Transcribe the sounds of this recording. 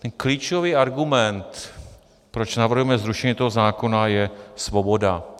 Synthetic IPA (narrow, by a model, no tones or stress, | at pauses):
t̪ɛnkliːt͡ʃoviːaɾɡumɛnt̪ | pɾo̞t͡ʃnavr̩ɦujɛmɛzɾuʃɛɲiːt̪o̞ɦozaːko̞najɛsvo̞bo̞da